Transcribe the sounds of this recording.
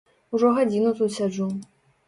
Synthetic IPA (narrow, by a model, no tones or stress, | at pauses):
uʐɔɣad͡zʲinut̪ut̪sʲad͡ʐu